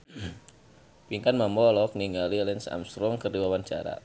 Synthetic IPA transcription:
piŋkanmamɔlɔk̚niŋalilɛnsa̰mst̪ɾɔŋkərdiwawant͡ʃa̰ɾa̰

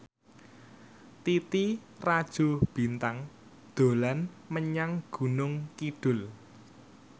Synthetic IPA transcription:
t̪it̪i | rad̥ʒ̥o̤b̥i̤nt̪aŋ | d̪̥o̤lan | məɲaŋɡ̥ṳnʊŋkiɖ̥ʊ̤l

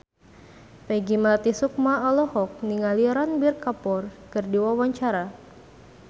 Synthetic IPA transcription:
peɡimlat̪isuk̚maɔlɔhɔk̚niŋaliɾanbirkapɔrkɨrdiwawaɲt͡ʃaɾa

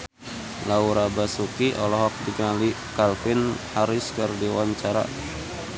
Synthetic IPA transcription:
lauɾabasukiʔɔlɔɦɔk̚diɡali | kalfɪnhaɾɪskɨrdiwaɲt͡ʃaɾa̰

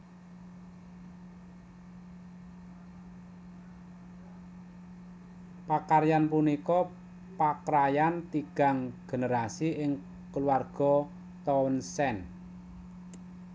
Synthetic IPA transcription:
pakarjanpunikɔ | pakɾajant̪iɡ̥a̤ŋɡ̥e̤nəɾasiʔɪŋ | kəluarɡ̥ɔ̤ | t̪ɔwnsɛn

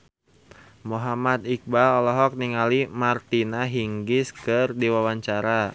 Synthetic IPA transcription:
moɦamat̪ik̚baɔlɔɦɔk̚niŋalimart̪inaɦiŋɡɪskɨrdiwawaɲt͡ʃaɾa

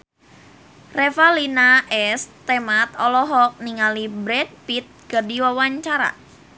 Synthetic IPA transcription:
refalinaʔɛst̪ɛmat̪ɔlɔɦɔk̚niŋalibɾɛd̚pit̪̚ɡ̥adiwawaɲt͡ʃaɾa̰

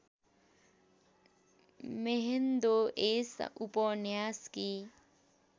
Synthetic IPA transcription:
meɦend̪oʔesʔupɔnjaːski

